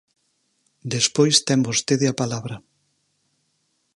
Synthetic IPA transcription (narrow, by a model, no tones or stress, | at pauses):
d̪espojst̪ɛmbost̪eðɪɐpalaβɾɐ